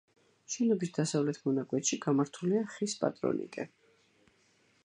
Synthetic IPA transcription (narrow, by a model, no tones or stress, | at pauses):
ʃɛnɔbisd̪̥asavlɛt̪ʰmɔnakʼwɛt̪ʃiɡamaɾt̪ʰuliaχispʼa̰t̪ʼɾɔ̰nʔḭkʼɛ